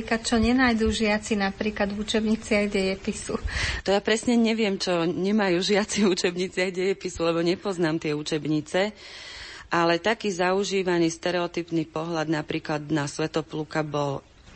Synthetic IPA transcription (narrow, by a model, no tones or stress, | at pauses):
iklat̪̚t͡ʃɔɲɛnaːjd̪uʒɪat͡sinapɾiːklad̪ut͡ʃɛbɲit͡sɪaɣɟɛjɛpisut̪ɔjapɾɛsɲɛɲɛʋɪɛmt͡ʃɔɲɛmajuːʒɪat͡siut͡ʃɛbɲit͡sɪaɣɟɛjɛpisulɛbɔɲɛpɔznaːmt̪ɪɛut͡ʃɛbɲit͡sɛ | ʔalɛt̪akiːzauʒiːʋaniːst̪ɛɾɛɔt̪iːpnipɔɦʎad̪napɾiːklad̪nasʋɛt̪ɔplukabɔl